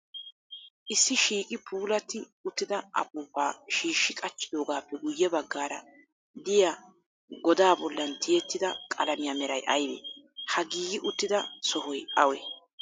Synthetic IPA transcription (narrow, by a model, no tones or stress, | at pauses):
ʔɪsːɪʃiːkʼɪpʰuːlɐt̪ːɪʊt̪ːɪd̪ɐʔɐ̰pʼuːpːaːʃiːʃːɪkʼɐt͡ʃʼːɪd̪o̞ːɡaːpːɛɡʊjːɛbɐɡːaːɾɐ | d̪ɪja | ɡɔd̪aːbɔlːɐnt̪ʰɪjɛt̪ːɪd̪ɐkʼɐ̰lɐmɪjamɛɾɐjʔɐjbḛː | hɐɡiːɡɪʔʊt̪ːɪd̪ɐsɔhɔjʔɐwɛ